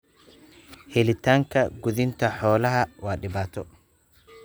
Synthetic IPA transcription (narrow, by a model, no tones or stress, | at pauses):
hɛlɪt̪ʰaːŋkʰɐɡʊðɪnt̪ʰɐħɔːlɐɦɐwaːɖɪβaːt̪ʰɔ